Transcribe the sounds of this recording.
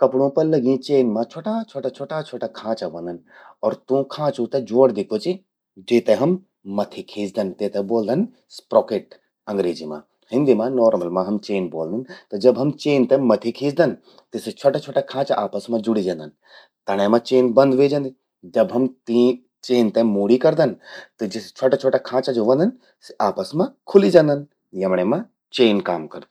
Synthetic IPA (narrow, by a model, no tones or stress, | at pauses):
kɐpɽõpɐɾlɐɡĩt͡ʃeːnmãt͡ʃʰoːʈat͡ʃʰoːʈat͡ʃʰoːʈat͡ʃʰoːʈakʰãːt͡ʃabɐ̃nd̪ɐnɔːɾt̪ũkʰãːt͡ʃũt̪ɛd͡ʒoːɽd̪ikʰot͡ʃi | d͡ʒeːt̪ɛɦɐmː | ɐt̪ʰikʰiːd͡ʒd̪ɐnt̪et̪ɛboːld̪ʱɐn | spɾoːkeːʈ | ɐ̃ŋɡɾeːd͡ʒimã̰ | hɪ̃nd̪imãnɔːɾməlmãɦɐmt͡ʃeːnboːld̪int̪ɔd͡ʒɐbɦɐmt͡ʃeːnt̪ɛmɐt̪ʰikʰiːd͡ʒd̪ɐn | t̪iset͡ʃʰoʈat͡ʃʰoːʈakʰãːt͡ʃaʔaːpəsmãd͡ʒuɽid͡ʒɐ̃nd̪ɐn | t̪ɐɽ̃emãt͡ʃeːnbɐ̃nd̪ʋeːd͡ʒɐ̃nd̪i | d͡ʒɐbɦɐmt̪i | t͡ʃeːnt̪ɛ̃moːɽikɐɾd̪ɐnt̪ɨd͡ʒist͡ʃʰoʈat͡ʃʰoːʈakʰãːt͡ʃad͡ʒoːʋɐ̃nd̪ɐn | aːpəsmãkʰʊlid͡ʒɐ̃ːnd̪ɐn | jɐmɽ̃ẽmã | t͡ʃeːnkaːmkɐɾd̪